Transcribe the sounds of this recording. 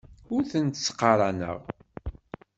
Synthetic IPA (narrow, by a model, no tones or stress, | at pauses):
ʊɾθənt̪sqːɑɾˤɑnə̰ʁ